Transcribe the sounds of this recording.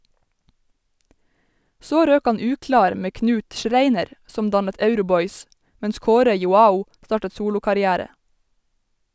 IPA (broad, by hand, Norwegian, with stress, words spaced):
ˈsoː ˈɾøːk ˈɑn ˈʉːklɑːɾ ˈmeː ˈknʉːt ˈʃɾeɪnəɾ ˈsɔm ˈdɑnət ˈœʉɾʊˌbɔʏs ˈmɛns ˈkoːɾə jʊˈɑːʊ ˈstɑːʈə ˈsuːlʊkɑɾɪˌæːɾə